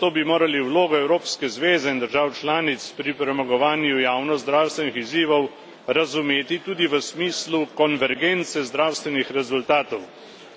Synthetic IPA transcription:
t̪oːbimoːɾaliwloːɡɔɛwɾoːpskɛzʋeːzɛind̪əɾʒaːwt͡ʃlaːnit̪spɾipɾɛmaɡɔʋaːnjujaːwnɔzzd̪ɾaːwst̪ʋɛnixiziːʋɔw | ɾazumeːt̪it̪uːd̪iʋəsmiːslukɔnʋɛɾɡent̪sɛzd̪ɾaːwst̪ʋɛnixɾɛzult̪aːt̪ɔw

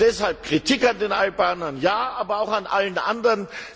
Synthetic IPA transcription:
d̥ɛshalp̚kʁ̥itʰikandeːnʔalbaːnɐnjaːʔaːbɐaʊxanʔa̰lənʔa̰ndəʁən

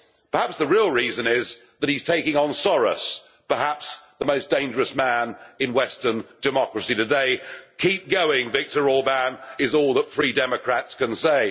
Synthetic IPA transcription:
pʰə˞hæpsðəɹilˠɹizɨ̃nɪz | ðət̚hiz̥tʰeɪkɪ̃ŋə̃nsɔɹə̰s | pə˞hæpsðəmoʊsd̥ẽɪ̃nd͡ʒə˞əsmæ̃nɨ̃nwɛstə˞nd̥ɨmɑkɹɨsiɾɨdeɪkʰip̚ɡ̥oʊɪ̃ŋvɪk̚tə˞ɔbæ̃nɪzɔlˠðətfɹidɛməkʰɹ̥ætskə̃nseɪ

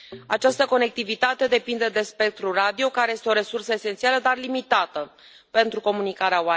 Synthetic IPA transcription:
at͡ʃast̪əko̞ne̞k̚t̪ivit̪at̪e̞d̪e̞pind̪e̞d̪e̞spe̞k̚t̪ɾurad̪io̞kaɾe̞je̞st̪eo̞ɾe̞sursəese̞nt̪sialəd̪arlimit̪at̪ə | pe̞nt̪ɾuko̞munikaɾeawa

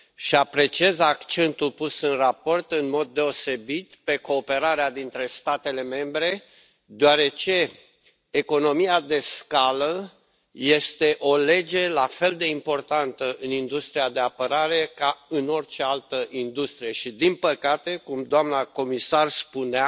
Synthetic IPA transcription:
ʃiapɾe̞t͡ʃiezakt͡ʃe̞nt̪ulpusɨnrapo̞rt̪ɨnmo̞d̪̚ːe̞o̞se̞bit̪pe̞ko̞ːpe̞ɾaɾead̪int̪ɾe̞st̪at̪e̞le̞me̞mbɾe̞ | d̪oaɾe̞t͡ʃe̞ː | ko̞no̞miad̪e̞skalə | je̞st̪e̞ʔo̞le̞d͡ʒe̞lafe̞ld̪e̞impo̞rt̪ant̪əʔɨnind̪ust̪ɾiad̪e̞apəɾaɾe̞kaɨno̞rt͡ʃe̞alt̪əʔind̪ust̪ɾije̞ʃid̪inpəkat̪e̞kumd̪oamnako̞misarspuna

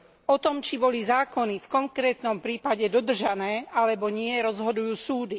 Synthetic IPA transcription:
ɔt̪ɔmt͡ʃibɔlizaːkɔnifkɔŋkɾɛːt̪nɔmpɾiːpaɟɛd̪ɔd̪r̩ʒanɛːalɛbɔɲɪɛɾɔzɦɔd̪ujuːsuːd̪i

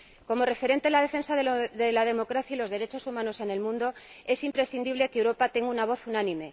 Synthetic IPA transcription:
ko̞mo̞re̞fe̞ɾe̞nt̪e̞lað̞e̞fe̞nsaðeðelað̞e̞mo̞kɾaθjailo̞zðe̞ɾe̞t͡ʃo̞sumãno̞se̞ne̞lmũnd̪o̞e̞simpɾe̞sθind̪iβle̞kewɾo̞pat̪e̞ŋɡunaβ̞o̞θunãnĩme̞

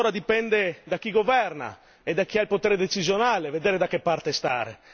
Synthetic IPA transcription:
oːɾad̪ipɛnd̪ed̪ak̟ːiɡovɛrna̰ | ed̪ːak̟ːiailpot̪ɛːɾed̪et͡ʃizjonaːleved̪eːɾed̪akːepːart̪est̪a̰ːɾḛ

